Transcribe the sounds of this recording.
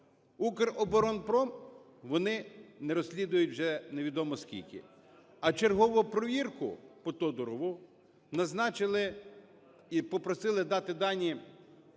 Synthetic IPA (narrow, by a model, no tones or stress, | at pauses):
ukɪrɔbɔɾɔnpɾɔm | ʋɔnɪnɛɾɔsʲlʲid̪ʊjʊtʲwʒɛneʋʲid̪ɔmɔskʲḭlʲkɪ̰ | ɐt͡ʃerɦɔʋʊpɾɔʋʲirkʊ̰pɔt̪ɔd̪ɔɾɔʋʊ | nɐznɑt͡ʃɪlˠɪ | ipɔpɾɔsɪlˠɪd̪ɑt̪ɪd̪ɑnʲi